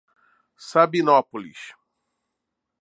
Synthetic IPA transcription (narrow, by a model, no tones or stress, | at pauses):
sabinɔpolḭʃ